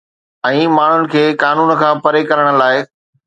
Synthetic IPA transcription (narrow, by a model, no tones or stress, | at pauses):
ɛ̃ːmaːɳ̤ʊnɪ̆kʰeːkaːnuːn̆kʰãːpɐɾekɐɾəɽ̃ə̆laːɪ